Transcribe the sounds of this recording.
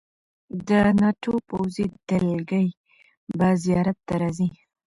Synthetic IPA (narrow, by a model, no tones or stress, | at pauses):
d̪ənɑʈʰopowzid̪̥əlɡəj | bazijɑɾat̪ːaɾɑzi